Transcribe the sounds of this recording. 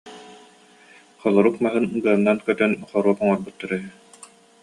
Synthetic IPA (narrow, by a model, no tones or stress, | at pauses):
χɔlˠɔɾukmaɦɯnɡɯɐnːankœt̪œnχɔɾuɔpɔŋɔɾbut̪ːaɾɛɦɛ